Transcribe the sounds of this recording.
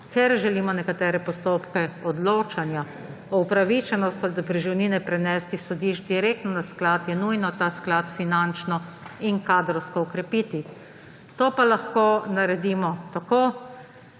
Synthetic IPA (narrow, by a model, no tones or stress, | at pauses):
kɛɾʒɛliːmɔnɛkat̪ɛːɾɛpɔst̪oːpkɛɔd̪loːt͡ʃanja | ɔupɾaʋit͡ʃɛnɔst̪ɔd̪apɾiʒiwniːnɛpɾɛnɛst̪isɔd̪iːʃt͡ʃd̪iɾeːk̚t̪nɔnasklaːt̪jɛnujnɔt̪aːsklaːt̪finant͡ʃnɔiŋkaːd̪ɾɔwskɔɔkɾɛpiːt̪i | t̪oːpalaxkoːnaɾɛd̪iːmɔt̪akoː